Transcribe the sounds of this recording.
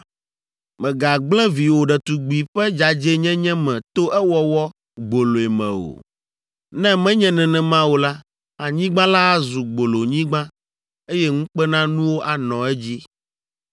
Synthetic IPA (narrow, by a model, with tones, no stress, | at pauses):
mɛ̃˨ɡa˨ɡ͡blɛ̃˦vi˨wo˨ɖɛ˨t̪u˨ɡ͡bi˨ɸɛ˦d͡ʒa˨d͡ʒe˦ɲɛ̃˦ɲɛ̃˦mɛ̃˨t̪o˦ʔɛ˦wɔ˦wɔ˦ | ɡ͡bo˨lo˨ɛ˨mɛ̰̃˨o̰˨ | nɛ̃˦mɛ̃˦ɲɛ̃˨nɛ̃˨nɛ̃˨mã˦wo˨la˦ | a˨ɲĩ˦ɡ͡bã˦la˦zu˨ɡ͡bo˨lo˨ɲĩ˦ɡ͡bã˦ | e˦jɛ˦ŋũ˦k͡pɛ˦nã˦nũ˦wo˦ʔa˨nɔ̃˨ɛ˦d͡ʑi˦